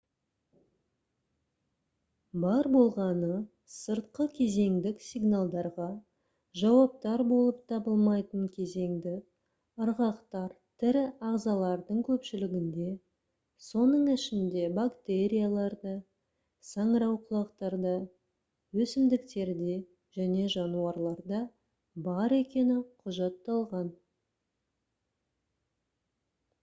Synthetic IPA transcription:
bɑɾbo̞lˠʁɑnə | səɾt̪qəkʲʰe̞ze̞ŋd̪ɪksʲiɡnalˠd̪ɑɾʁɑ | ʒɑwɑp̚t̪ɑɾbo̞lˠəp̚t̪ʰɑbəlˠmɑjt̪əɴkʲʰe̞ze̞ŋd̪ɪ | əɾʁɑqt̪ɑɾt̪ʰɪɾɪɑʁzɑlˠɑɾd̪əɴkʲʰɵpʃɪlɪɡʲɪnd̪e̞ | so̞nəɴɪʃɪnd̪e̞bakt̪e̞ɾʲijalˠɑɾd̪ə | sɑɴɾɑwqʰʊlˠɑqt̪ɑɾd̪ɑ | wɵsɪmd̪ɪk̚t̪e̞ɾd̪e̞ | ʒ̥æne̞ʒɑnuɑɾlˠɑɾd̪ɑ | bɑɾe̞kʲe̞nɪqʰʊʒɑt̪ːɑlˠʁɑn

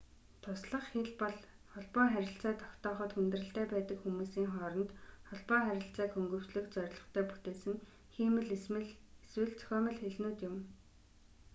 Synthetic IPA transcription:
t̪ʰʊsɮə̆χxeɮpɔɮχɔɮpɔːχæɾʲɪ̆ɬt͡sæːt̪ʰɔ̥kt̪ɔːχɞ̆t̪xɵnt̪rɘ̆ɬt̪æːpæːt̪ə̆kxumuːsiːŋχɔːɾɞ̆nt̪χɔɮpɔːχæɾʲɪ̆ɬt͡sæːkxɵŋɡɵ̆w̥t͡ɕɮɘ̆kt͡sœɾʲɪ̆ɮɞ̆χt̪ʰæːput̪eːsɘ̆ŋ | xiːmɘ̆ɮ | eswɘ̆ɮt͡sʰœ̥xʲœːmə̆ɮxeɮnuːt̪jʊm

